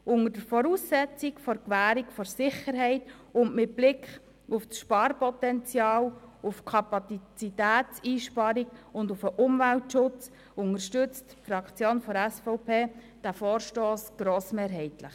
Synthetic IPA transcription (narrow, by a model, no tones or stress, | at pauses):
ʔʊŋəd̥əɾfɔɾuːsːɛt͡sikfɔɾkʋæːɾikfɔɾsɪχəɾɦɛɪt | ʊndmɪt̚b̥lɪkχ | ʊfsʃpɑːɾpɔtɛnt͡sjɑːlʊfkʰɑpɑt͡st͡sitæːt͡siːʃpɑɾikʊndʊfəʔʊmvæltʃʊt͡s | ʊnəɾʃtʏt͡stfɾɑkʰt͡sjoːnfɔɾæsfɔʊpʰeː | d̥æfoːɾʃtoːsɡ̥ɾoːsmeːɾɦɛɪtləχ